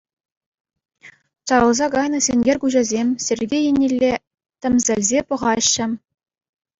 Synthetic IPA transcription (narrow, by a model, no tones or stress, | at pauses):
t͡ɕɑɾɤ̆lˠzɑɡɑjnɤ̆sʲenʲɡʲerʲkuʑɑzʲemʲsʲerʲɡʲejenʲelʲːe | t̪ʲɘ̆mʲzʲɘ̆lʲzʲepɤ̆ʁɑɕːɘ̆